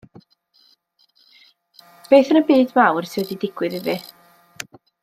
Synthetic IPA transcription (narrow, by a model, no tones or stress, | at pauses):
b̥eːθənəbiːdmawrsɪwɛdidɪɡ̥wɨðɪvɨ